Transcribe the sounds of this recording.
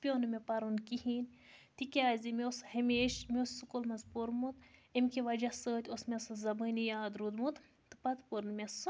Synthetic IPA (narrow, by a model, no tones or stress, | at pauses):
pʲoːnɨmepɐɾunkiɦinʲt̪ikʲaːzʲimioshemeːʃmeosːukolmɐzpoɾmut̪emkiʋɐd͡ʒasəːt̪ʲosmʲɐsɨzɐbənijaːd̪ɾud̪mut̪ | t̪ɨ̥pɐt̪poɾnmʲes